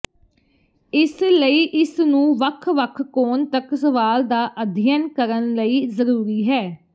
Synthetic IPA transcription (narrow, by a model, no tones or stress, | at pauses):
ɪsləiːʔɪsnũːʋəkʰʋəkʰkoːnt̪əksəʋaːld̪aːʔəd̪ʱɪjənkəɾənləiːzəɾuːɾiːɦɛː